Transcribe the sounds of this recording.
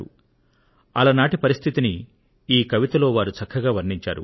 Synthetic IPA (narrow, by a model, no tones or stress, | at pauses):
ṵ | ɐlɐnaːʈipɐɾist̪ʰit̪ini | iːkɐʋit̪ɐlo̞ːʋaːɾut͡ʃɐkʰːɐɡaːʋɐɾɳiɲt͡ʃa̰ːɾṵ